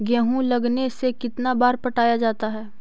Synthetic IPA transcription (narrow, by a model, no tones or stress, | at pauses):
ɡɛ̃ːɦũlɐɡnesekɪt̪nabaːɾpɐʈaːjad͡ʒaːt̪aɦɛː